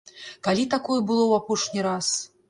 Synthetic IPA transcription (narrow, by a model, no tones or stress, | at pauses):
kalʲit̪akɔjɛbɨlˠɔwapɔʂnʲiɾas